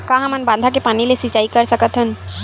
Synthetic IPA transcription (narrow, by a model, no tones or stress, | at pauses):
kaɦamanband̪ʱakepanilesit͡ʃajkaɾsakat̪ʰən